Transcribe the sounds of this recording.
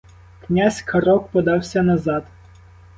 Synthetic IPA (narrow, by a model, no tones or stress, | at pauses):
knʲazʲkɐɾɔkpɔd̪ɑwsʲɐnɐzɑd̪